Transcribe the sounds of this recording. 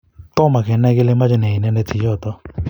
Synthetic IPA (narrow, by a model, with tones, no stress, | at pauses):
tɔ˦ma˨kɛ˨˦nɛ˦ɡɪ˦le˦ma˦d͡ʒɔ˦nɛ˨i˨nɛ˦nɛ˧ti˨jɔ˦˨t̪ɔ˦